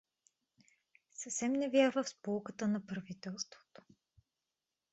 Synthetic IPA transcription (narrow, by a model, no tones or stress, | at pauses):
səfsɛmnɛvjaɾvəfspolˠkət̪ənɐpɾɐvit̪ɛlˠst̪vo̥t̪o̥